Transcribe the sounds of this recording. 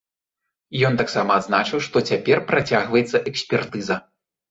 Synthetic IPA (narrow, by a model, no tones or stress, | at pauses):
jɔnt̪aksamɐːd̪znat͡ʂɨwʂt̪ɔt͡sʲapʲɛrpɾat͡sʲaɣvɐjɛt̪sːɐʔɛksʲpʲɛrt̪ɨzɐ